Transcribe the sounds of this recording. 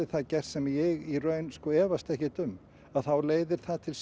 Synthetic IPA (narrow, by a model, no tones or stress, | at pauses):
ɪ̥θaðcɛr̥t̪sɛmjɛɣirœɥnskɔɛːvast̪ɛhcɪt̪ʏm | aðθawleːjðɪɾ̥θaðt̪ʰɪls